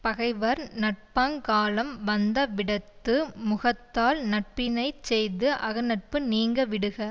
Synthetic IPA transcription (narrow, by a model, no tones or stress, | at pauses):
pɐɣɐɪʋɐɾnɐʈ̚paːŋkaːlɐmʋɐnd̪ɐʋɪɽɐt̪ːɯmʊɣɐt̪ːaːlnɐʈ̚pɪnɐɪt͡ʃɛjðɯʔɐɣɐnɐʈ̚pɯniːŋɡɐʋɪɽɯɣɐ